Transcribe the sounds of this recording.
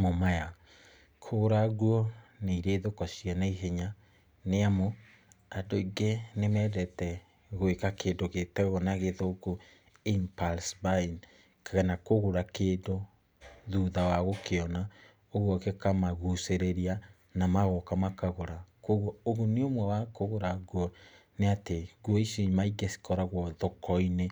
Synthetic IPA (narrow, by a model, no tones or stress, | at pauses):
momaja | kʰoɾaɣwɔneiɾeːðokasianaiɦeɲa | neamo | adoiɡenemɛðɛtɛ | ɣoekakeːndoɣetɛɣɔnaɣeðoko | impalsbain | kaɣanakoɣoɾakeːdo | ðuðawaɣokeɔna | oɣwɔkekamaɣuseɾeɾia | namaɣɔkamakaɣoɾakoɣɔoɣoneomwɛwakoɣoɾaɡwɔ | neateɡɔisimaiɡesi̥kɔɾaɣwɔðɔkɔine